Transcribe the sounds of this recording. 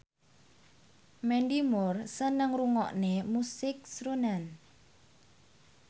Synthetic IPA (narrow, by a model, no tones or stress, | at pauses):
mɛɳdimʊrsənəŋruŋɔ̰ʔnemusɪk̚sɾunan